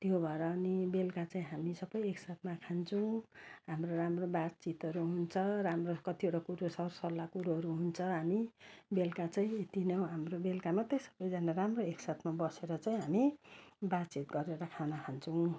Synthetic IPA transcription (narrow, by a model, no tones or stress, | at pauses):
t̪jobʱʌeɾʌːnibelkat͡saĩɦamisʌbʌjeksat̪ʰmakʰant͡sʰʌw̃ɦamroramrobad̪t͡sit̪ʌɾuɦunt͡sʰʌramrokʌt̪ioʈakuɾosʌrsʌlːakuɾuɦʌɾuɦunt͡sʰʌɦamibelkat͡saĩet̪inʌw̃ɦamrobelkamat̪ʌjsʌ̥bʌjd͡zanaramroeksat̪ʰmabʌseɾʌt͡saĩɦamibad̪t͡sit̪̚ɡʌɾeɾʌkʰanʌkʰant͡sʰʌw̃